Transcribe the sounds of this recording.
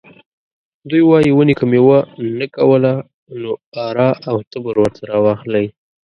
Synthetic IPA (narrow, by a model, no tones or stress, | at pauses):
d̪ujwɑjiwənekəmewənakawəla | noɑɾɑʔawt̪əbəɾwəɾt̪ʰaɾɑwɑxlaj